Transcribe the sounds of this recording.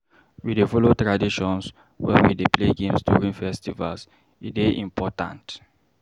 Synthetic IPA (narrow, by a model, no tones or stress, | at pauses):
widefɔlotɹadiʃɔ̃ns | wɛ̰widepleɡẽmstṵɹĩnfɛstiva̰ls | ideʔḭ̃mpʰɔtã̰nt